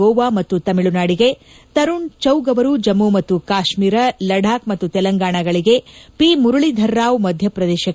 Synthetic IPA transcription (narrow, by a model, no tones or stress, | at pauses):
ɔːʋaːmɐt̪ːut̪ɐmiɭunaːɽiɡe̞ | t̪ɐɾuɳt͡ʃɐwɡɐʋɐɾud͡ʒɐmumɐt̪ːukaːʃmiːɾɐlɐɖʱaːkmɐt̪ːut̪ɛlɐŋɡaːɳɐɡɐɭiɡe̞pimuɾuɭid̪ʱɐɾːaːʋmɐd̪ʱjɐpɾɐd̪ɛːʃɐ